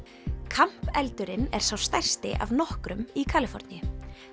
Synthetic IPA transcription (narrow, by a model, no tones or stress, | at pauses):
kʰam̥pɛlt̪ʏɾɪnɛɾ̥sawst̪ajr̥st̪ɪ̰ʔa̰vnɔhkɾʏmikʰaːlɪfɔ̰ɾt̪njʏ